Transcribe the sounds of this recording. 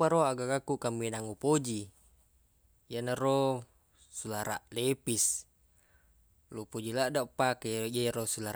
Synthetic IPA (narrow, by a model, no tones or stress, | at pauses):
paɾoaɡakakukaminaŋupod͡ʒi | janaro | sulaɾa̰ʔlepis | lupod͡ʒilaʔdaʔpakeaɾosulaɾ